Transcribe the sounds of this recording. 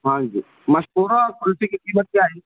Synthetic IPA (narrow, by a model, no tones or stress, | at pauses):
ɦãːd͡ʒḭː | mɐʃpuːɾakʊlsikikiːmət̪̚kjaːɦiː